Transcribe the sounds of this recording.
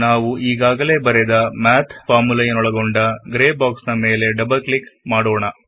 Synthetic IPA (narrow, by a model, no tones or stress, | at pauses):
naːʋuʔiːɡaːɡɐle̞ːbɐɾɛd̪ɐmaːt̪ʰfaːmulɐjɐnɔɭɐɡoɳɖɐɡɾeːbaːksnɐme̞ːle̞ɖɐbɐlklikmaːɽoːɳɐ